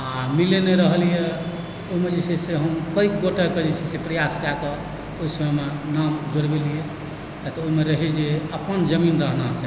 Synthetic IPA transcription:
amilenɛɾəɦəlijɛ | oɦimed͡ʒesʰɛseɦəmkəikɡoʈeked͡ʒɛt͡ʃʰisepɾəjaskake | oɦisəmɛmenamd͡ʒoɽbelijɛ | t̪at̪ɔoimeɾəɦid͡ʒeəpənd͡ʒəminɾəɦnasʰɛ

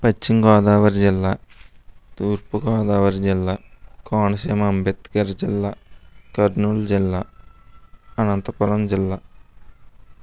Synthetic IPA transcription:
pɐt͡ʃːiŋɡaːd̪aːʋɐɾd͡ʒilːa | t̪uːɾpukaːd̪aːʋɐɾd͡ʒilːakaːɳɐseːmɐmbjɐt̪kɐɾd͡ʒilːakɐɖnuːld͡ʒilːa | ɐnɐnt̪ɐpɐlɐmd͡ʒilːa

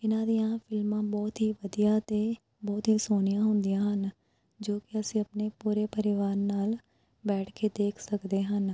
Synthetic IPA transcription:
ɪnãːd̪ijãːpʰɪlmãːbɔːt̪ɦiːʋəd̪ijaːt̪eː | bɔːt̪ɦiːsoːnɪjãːɦʊnd̪ɪjãːɦən | d͡ʒoːkɪəsĩːəpneːpuːɾeːpəɾɪʋaːɾnaːl | bɛːʈʰkeːd̪eːkʰsəkd̪eːɦən

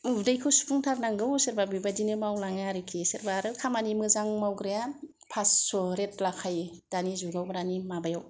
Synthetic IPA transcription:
udajkʰɯsu̥pʰuŋtʰaɾnaŋɡɯwseɾbabibadinɯmawlaŋaɾɯkʰiseɾbaɾɯkʰamanimɯzaŋmawɡɾeja | pʰasːoɾet̚lakʰajd̥anizuɡawbaɾanimabajaw

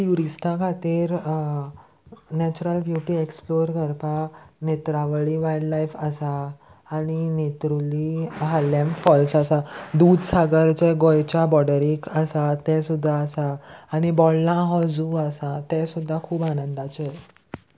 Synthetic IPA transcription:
t̪juɾisʈʰãkʰat̪iːɾ | nɛt͡ɕuɾəlbjuʈiːeksploɾkəɾpanet̪ɾaʋəɭiʋajɖlajfəsaː | ñinet̪ɾuliɦalemfɔlsəsad̪uːd̪saɡəɾt͡ɕeɡojt͡ɕabɔɽəɾikəsat̪ɛ̃sud̪ʱːaːsaːɽ̃ibɔlːãɦɔd͡zuəsat̪ɛ̃sud̪ʱːakʰuːbanənd̪at͡se

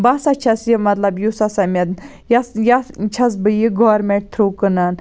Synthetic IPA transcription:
basat͡ʃʰɐsjimɐt̪lɐbjusasamʲɐd̪ | jasjat͡ʃʰɐs̬bɨjiɡɔʋɾmʲeʈ̚t̪ʰɾuːkɨnan

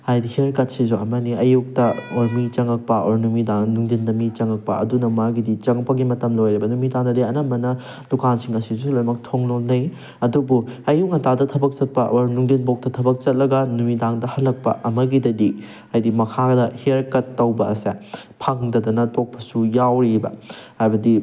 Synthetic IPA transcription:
hajdihiɐɾkɐt̚sizuɐmɐniɐjuk̚tɐoɾmit͡ʃɐŋɐk̚pɐoɾnumidaŋnuŋdindɐmit͡ʃɐŋɐk̚pɐ̰ɐ̰dunɐmaɡidit͡ʃɐŋɐpːɐɡimɐtɐmlojɾibɐnumidaŋdɐdiɐnɐmbɐnɐ | d̥ukansiŋɐsisulojmɐk̚tʰoŋlonɐj | ɐdubuɐjuk̚ɐtadɐtʰɐbɐk̚t͡ʃɐt̚pɐʔoɾnuŋdinbok̚tɐtʰɐbɐk̚t͡ʃɐt̚lɐɡɐnumidaŋdɐhɐlːɐk̚pɐ̰ʔɐmɐɡidɐdi | ɐjdimɐkʰadɐheɾkɐtːɐwbɐɐ̰se | pʰɐŋdɐdɐnɐtʰok̚pʰɐsujawɾibɐ̰hajbɐdi

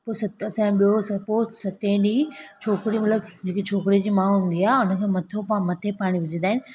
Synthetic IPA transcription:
poːsɐt̪ɐsãɓiosɐpoːsɐt̪ẽɗiːt͡ɕʰoːkɾimɐt̪ləbd͡ʑeːkit͡ɕʰoːkɾid͡ʑiːmãːɦʊ̃nd̪iaːeʊnə̆kʰeːmɐt̪ʰomɐt̪ʰepaːɽ̃iʋɪd͡ʑʱə̃nd̪aːɦɪnɪ̆

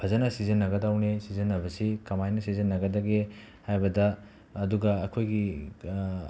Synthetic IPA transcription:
pʰɐzɐnɐsizɐnːɐɡɐdawnesizɐnːɐβɐsikɐmajnɐsizɐnːɐɡɐdɐɡe | hajbɐdɐː | duɡɐɐkʰojɡi

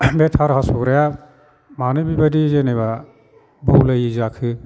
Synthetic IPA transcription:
betʰaɾhasɔɾaja | manɯbibadizeneba | bɔwlajizakʰɯ

